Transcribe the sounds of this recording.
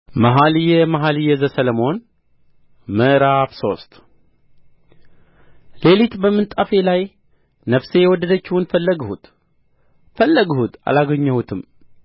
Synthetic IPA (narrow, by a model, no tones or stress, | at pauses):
maɦalijɛmaɦalɨjɛzəsələmo̞n | məʔɾafso̞st̪ | le̞lit̪bəmːɨnt̪ʼafe̞laj | nəfse̞jɛwɔd̪ːəd̪ət͡ʃːɪhunfələɡhut̪ | fəlːəɡəhut̪a̰laɡəɲːəwut̪ʰɨm